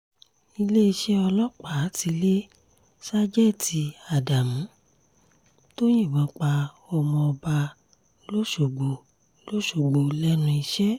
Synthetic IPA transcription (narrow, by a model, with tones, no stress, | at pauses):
i˧le˦i˧ʃɛ˦ɔ˧lɔ˦k͡pa˨˦˨ti˧le˦ | sa˦d͡ʒɛ˦˨ti˧a˨da˨mũ˨˦ | to˦j̃ĩ˦˨wɔ̃˨˦k͡pa˧ | ɔ˧mɔ̃˧ɔ˧ba˧ | lo˦ʃo˨ɡ͡bo˨ | lo˦ʃo˨ɡ͡bo˨lɛ˦nũ˧i˧ʃɛ˦